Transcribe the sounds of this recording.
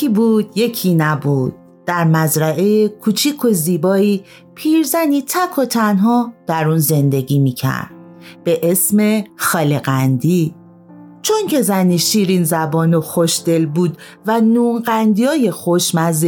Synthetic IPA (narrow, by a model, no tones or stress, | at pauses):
ibuːd̪̥je̞cʰinæbud̪̥̚ːæɾmæzɾæʔejekʰuːt͡ʃʰiːkʰo̞ziːbɒːiː | pʰiːɾzæniːt̪ʰækʰo̞t̪ʰænɦɒːd̪̥æɾunze̞nd̪e̞ɡiːmiːcʰæ̰ɾd̪̥̚ | b̥e̞ʔesme̞xɒːleɣænd̪iː | t͡ʃʰo̞ŋcʰe̞zæniːʃiːɾinzæbɒːnoxoʃd̪e̞lbuːd̪ | vænuːnɢænd̪ijɒːjexoʃmæz